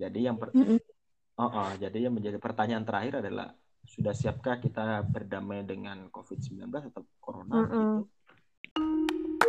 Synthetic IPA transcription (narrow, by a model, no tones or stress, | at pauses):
d͡ʒadijaŋpə | ɔʔɔd͡ʒadijaŋməɲd͡ʒadipərt̪aɲaʔːnt̪əɾʔahɪɾadala̰h | sudahsiap̚kakit̪abərdamajdəŋankofɪd̚səmbila̰nblasat̪awkoɾonatu